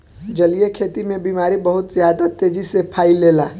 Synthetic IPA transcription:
d͡ʒəlijekʰet̪imebimaɾibəɦʊt̪zjad̪at̪ed͡ʒisepʰailela

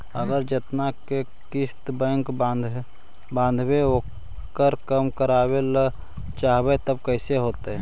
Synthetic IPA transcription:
əɡəɾd͡ʒɪt̪nake | kɪst̪bɛ̃ŋkad̪ | bãːnd̪ʱweɦoː | kəɾkəmkəɾaːwel | t͡ʃaːɦbet̪əb̚kəɪseɦoːt̪eɦɛ

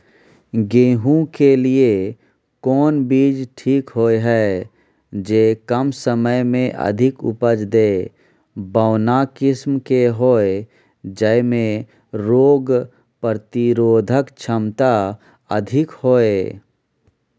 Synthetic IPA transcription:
ɡeːɦũkelie | kɔːnbiːd͡ʒʈʰiːkɦoːeɦɛ | d͡ʒeːkəmsəməjmẽʔə̰d̪ʱɪkʊ̰pəd͡ʒd̪eː | bəʊnakɪsmkeɦoːe | d͡ʒəmẽ | ɾoːɡ | pəɾt̪ɪɾoːd̪ʱəkt͡ʃʰəmt̪a | ə̰d̪ʱɪkhoːe

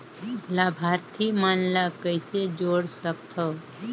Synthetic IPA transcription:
laːbʱaːɾt̪ʰimanlakəɪsed͡ʒoːɽsəkt̪ʰo

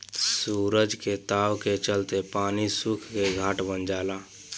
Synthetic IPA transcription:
suɾəd͡ʒket̪awket͡ʃəlt̪epanisukʰkeɡʱaʈbənd͡ʒaːla

